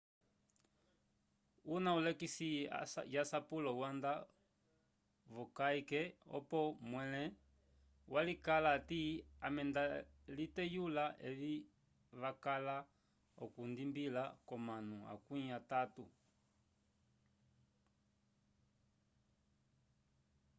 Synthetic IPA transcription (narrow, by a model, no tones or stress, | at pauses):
unaulɛkisijasapulɔwanda | vɔkaikɛɔ̰pɔmwɛlɛ | walikalatiamɛndalitɛjulaɛli | βakala | ɔ̰kundimbilakɔmanua̰kuatatu